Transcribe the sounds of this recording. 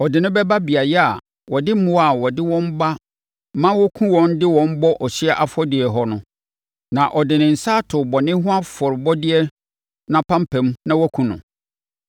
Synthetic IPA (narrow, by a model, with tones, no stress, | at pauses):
ɔ˨dɪ˨nʊ̃˦bɛ˦ba˦bi˨a˨jɛ˦a˨ | wɔ˨dɪ˦mʊ̃˦a˨wɔ˨dɪ˦wɔ̃˦m˦ba˦ | mã˦wɔ˦kʰũ˦wɔ̃˦n˦dɪ˦wɔ̃˦m˦bɔ˦ʔɔ˨ɕi˦ɛ˦ʔa˨fɔ˦dɪ˨ɛ˨ɦɔ˦nʊ̃˨ | nã˨ʔɔ˨dɪ˨nɪ̃˨n̩˨sa˦tʰʊ˨bɔ˨nɪ̃˦ɦʊ̃˦a˦fɔ˨ɾɪ˨bɔ˦dɪ˦ɛ˦ | nã˦pʰã˦m̩˦pʰɛ̃˨˦mnã˦wɔ˦kʰũ˨nʊ̰̃˨